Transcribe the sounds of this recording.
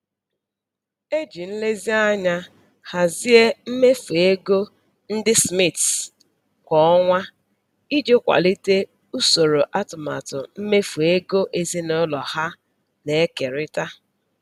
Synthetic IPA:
e˦d͡ʒi˨n̩˦le˦zi˦a˦ɲa˦ | ha˨zi˦e˦m̩˦me˦fu˨e˦ɡo˦ | n̩˦dɪ˦smi˦˨t | kʷɔ˦ɔ˦ŋʷa˦ | i˦d͡ʒo˦kʷa̰˨li˦te˦ | u˦so˨ɾo˨ʔa˦tʊ˨ma̰˨tʊ˨m̩˦me˦fu˨e˦ɡo˦ʔe˨zi˦nɔ˦lɔ˨ha˦ | ne˨˦ke˨ɾɪ˦ta˦

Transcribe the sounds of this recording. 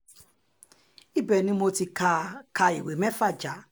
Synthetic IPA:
i˦bɛ˨nĩ˦mo˦ti˨ka˦kʰa˨ḭ˨we˨mɛ˦fa˦d͡ʒa˨

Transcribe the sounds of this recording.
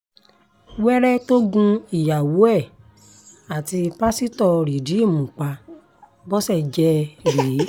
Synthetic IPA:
wɛ˦ɾɛ˦to˦ɡũ˧i˨ja˨wu˨˦ɛ˦˨ | a˨ti˧pa˦si˦tɔ˦˧ɾi˨di˨˦i˦˨mũ˨k͡pa˧ | bɔ˦sɛ˦˨d͡ʒɛ˧ɾe˨˦

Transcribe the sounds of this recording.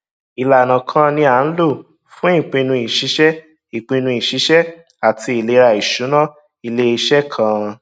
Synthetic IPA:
i˨la˨nã˨kʰã˦nĩ˧a˨˦n̩˦lo˦˨ | fũ˨˦ĩ˦˨k͡pĩ˧nũ˧i˨ʃi˨˦ʃɛ˦ | i˨k͡pĩ˧nũ˧i˨ʃi˨˦ʃɛ˦ | a˨tʰi˧˦i˨le˨˦˧ɾa˧˨i˨ʃu˨˦nã˦ | i˧le˦i˧ʃɛ˦kʰã˦˧

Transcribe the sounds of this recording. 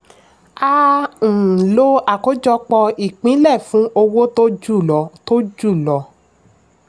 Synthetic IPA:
a˦ñ̩˨lo˦a˨ko˨˦d͡ʒɔ˧k͡pɔ˧i˨k͡pĩ˨˦lɛ˦˨fũ˨˦o˧wo˦to˦d͡ʒu˦˨lɔ˨˦to˦d͡ʒu˦˨lɔ˨˦

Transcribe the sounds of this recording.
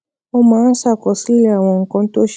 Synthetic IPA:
ɔ˦ma˨˦sa˨kɔ˨si˦la˨wɔ̃˨ŋ˨kɔ˦n˦t̪o˦ʃ

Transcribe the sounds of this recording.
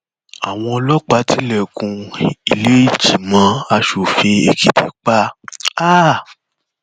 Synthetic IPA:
a˨w̃ɔ̃˧ɔ˧lɔ˦k͡pa˧˦tʰi˦lɛ˦˨kũ˧i˧le˦i˦˨d͡ʒi˨mã˨˧˦a˧ʃu˨fi˧e˨ki˨dḛ˨˦k͡pa˦a˦

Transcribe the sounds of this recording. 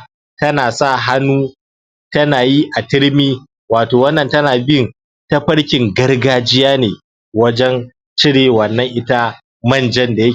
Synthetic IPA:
tɐ˦naː˨sa˦˨ɦa˦nuː˦ | tɐ˦naː˨ji˦ʔa˨tɪ˦ɽmiː˦ | waː˨toː˨wɐ˦nːɐ˨ntɐ˦naː˨bɪ˦ŋ | tɐ˦ɸɐ˦ɽkʲɪ˨ŋɡɐ˦rɡaː˦d͡ʒɪ˦jaː˦neː˨ | wɐ˦d͡ʒɛ˦n | t͡ʃɪ˦ɽeː˨wɐ˨nːɐ˦ŋʔɪ˦ta˦ | mɐ˦˨nd͡ʒɛ˦nda˨jɐ˦

